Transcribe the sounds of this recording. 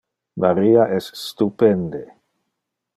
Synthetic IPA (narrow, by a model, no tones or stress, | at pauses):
maɾiaʔɛsːt̪upɛnd̪e